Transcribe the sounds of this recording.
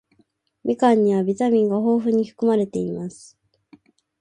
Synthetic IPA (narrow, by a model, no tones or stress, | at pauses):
mʲʔikãɲ̟ːiβabʲit̪amʲĩŋɡaɦo̞ːɸɯ̟ɲ̟iɸɯ̟̥kɯmaɾe̞t̪e̞imasɨ̥